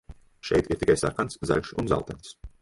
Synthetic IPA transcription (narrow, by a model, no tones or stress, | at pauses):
ʃɛ̰jt̪iɾt̪ikajsa̰ɾkansza̰ʎʲʃunza̰lˠt̪ɛns